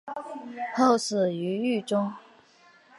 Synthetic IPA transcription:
ho˥˩ʊsɹ̩˨˩y˧˥y˥˩ʈ͡ʂʊ˥ŋ

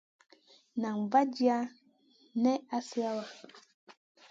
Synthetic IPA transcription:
nã˨ŋva˦d͡ʒi˦a˦ | nɛ˦a˦si˦a˦wa˨

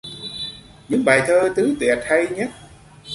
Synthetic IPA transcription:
ɲɨ̰˧˥ŋɓa̰ː˨˩jt̪ʰəː˧t̪ɨ˨˦t̪wi˨˩ət̚hə˧jɲə˦˥t̚

